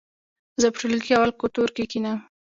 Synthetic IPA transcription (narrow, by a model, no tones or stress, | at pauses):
zəpʈ͡ʂulikiawalkot̪oɾkekina